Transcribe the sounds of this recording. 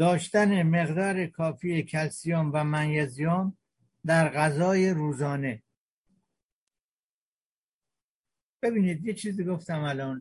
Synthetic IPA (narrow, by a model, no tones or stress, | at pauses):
d̪̥ɒːʃt̪æneme̞ɣd̪ɒːɾekʰɒːfiːjecʰælsijɒːmvæmænjæzijɒːm | d̪æɾɣæzɒːjeɾuːzɒːne̞ | b̥e̞biːniːd̪jet͡ʃʰiːziːɡoft̪æmælɒːn